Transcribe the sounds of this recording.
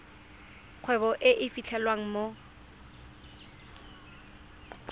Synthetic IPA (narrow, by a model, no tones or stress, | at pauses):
q͡χʰwɛbɔʔɪʔɪfit͡ɬʰɛlwaŋ̩mo